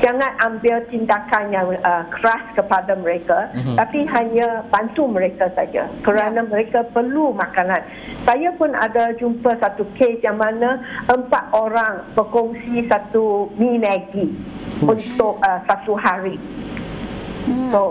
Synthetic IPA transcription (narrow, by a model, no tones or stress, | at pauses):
d͡ʒaŋãnambɪlt̪indakanjaŋəkəɾaskəpadaməɾekat̪apiɦaɲəb̥ant̪uməɾekasad͡ʒa̰kəɾanaməɾekapərlumãkanãn | sajapʊna̰dad͡ʒumpəsat̪ukesjaŋmãnãʔəmpat̪̚oɾaŋbəkɔŋsisat̪uminaɡi | unt̪ʊk̚əsat̪uɦaɾi | so